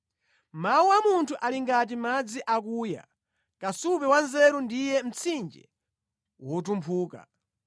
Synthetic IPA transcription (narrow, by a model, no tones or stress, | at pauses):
mauwamuntʰuʔaliŋɡat̬imad͡ziʔak̬uːja̰ | kasupɛwanzɛɾundijɛm̩t͡sʰind͡ʒɛ | wɔt̬umpʰuːka̰